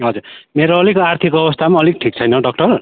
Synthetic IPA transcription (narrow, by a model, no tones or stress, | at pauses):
ɦʌd͡zurmeɾoʌlikoart̪ʰikʌbʌst̪ʰamãʌlik̚ʈʰik̚t͡sʰʌjnʌɖʌk̚ʈʌr